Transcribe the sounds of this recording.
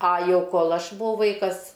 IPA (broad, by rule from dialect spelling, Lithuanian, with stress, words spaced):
ɐ ˈjɛʊ ˈkoːlˠ ˈɐʃ bʊˈʋɐʊ ˈʋɐɪkɐs